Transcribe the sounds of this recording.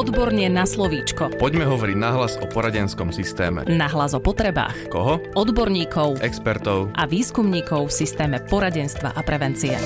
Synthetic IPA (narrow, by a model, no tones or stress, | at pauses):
ɔd̪bɔɾɲɪɛnaslɔʋiːt͡ʃkɔpɔɟmɛɦɔʋɔɾiɟnaɦlazɔpɔɾaɟɛnskɔmsist̪ɛːmɛ̰naɦlazɔpɔt̪ɾɛba̰ːxkɔ̰ɦɔɔd̪bɔɾɲiːkʰɔʊʔɛkspɛɾt̪ɔʊʔaʋiːskumɲiːkɔʊfsist̪ɛːmɛpɔɾaɟɛnst̪ʋa̰ʔapɾɛʋɛnt͡siɛ̰